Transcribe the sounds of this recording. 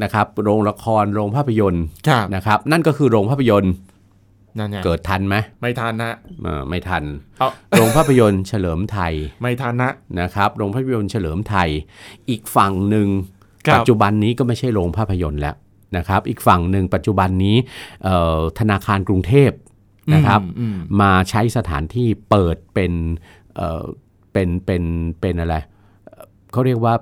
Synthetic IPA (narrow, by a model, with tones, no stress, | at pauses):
na˦˥kʰɾa˦˥p̚ɾoː˧ŋɾa˧kʰɔː˧nɾoː˧ŋpʰaː˥˩pʰːa˧jo˧nkʰa˦˥na˦˥kʰɾa˦˥p̚na˥˩nkɔː˥˩kʰɯː˧ɾoː˧ŋpʰaː˥˩pʰa˧jo˧n˧ | kɤː˨˩t̪ʰːa˧nma˦˥jma˥˩jt̪ʰa˧nːa˦˥ʔɤ̰ː˧˩ma˥˩jt̪ʰa˧nɾoː˧ŋpʰaː˥˩pʰa˧jo˧nt͡ɕʰa˧lɤː˩˦mt̪ʰa˧jma˥˩jt̪ʰa˧nːa˦˥na˦˥kʰɾa˦˥p̚ɾoː˧ŋpʰaː˥˩pʰa˧jo˧nt͡ɕʰa˧lɤː˩˦mt̪ʰa˧jʔiː˨˩k̚fa˨˩ŋnɯ˨˩ŋʰ | a˨˩˧t͡ɕu˨˩ba˧nːiː˦˥kɔː˥˩ma˥˩jt͡ɕʰa˥˩jɾoː˧ŋpʰaː˥˩pʰːa˧jo˧nlɛ̰˦˥ʔ | na˦˥kʰa˦˥p̚ʔiː˨˩k̚fa˨˩ŋnɯ˨˩ŋpa˨˩t̪̚t͡ɕu˨˩ba˧nːiː˦˥ʔəː˨˩t̪ʰa˧naː˧kʰaː˧nkɾu˧ŋt̪ʰeː˥˩p̚ | nna˦˥kʰɾa˦˥p̚maː˧t͡ɕʰa˦˥jsa˧t̪ʰa̰ː˩˦nt̪ʰiː˥˩pɤː˨˩t̪̚pe˧n | ʔə̰ː˨˩ | pe˧npe˧npe˧nʔa˧ɾa˧j | ʔ | kʰa˦˥wɾi˥˩ək̚waː˥˩